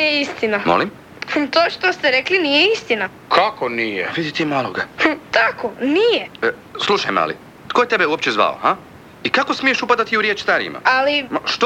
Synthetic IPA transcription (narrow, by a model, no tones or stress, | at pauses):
eist̪inamo̰lim | t̪oːʃt̪ost̪eɾeklinijeist̪ina | kʰakonijḛʋid̪it̪imaːlˠoɡat̪akonijeəslˠuʃa̰jma̰lḭ | t̪ko̞jet̪e̞beuop̚t͡ɕezʋa̰o̰ha | ikako̞smije̞ʃupad̪at̪iuɾjet͡ʃst̪aɾḭḭmʔa̰alimaʃt̪o